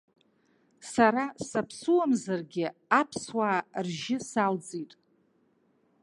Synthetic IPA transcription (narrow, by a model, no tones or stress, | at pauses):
saɾasapʰsuwamzarɡʲɪapʰswaːrʒɪsald͡zʼitʼ